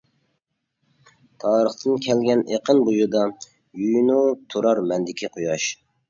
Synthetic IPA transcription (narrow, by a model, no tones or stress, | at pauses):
t̪ʰɑːɾəχt̪ʰɨnkʲʰɛlɡʲɛneqʰənbujud̪ɑ | jujnut̪ʰuɾɑɾmɛnd̪ɪkʲʰiqʰojɑʃ